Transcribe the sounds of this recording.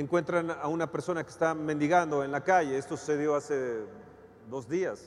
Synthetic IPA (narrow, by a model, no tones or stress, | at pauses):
eŋkwe̞nt̪ɾanaunape̞ɾso̞nake̥st̪ame̞nd̪iɣand̪o̞e̞nlakaʝe̞est̪o̞su̥se̞ðjo̞ase̞ | d̪o̞zðias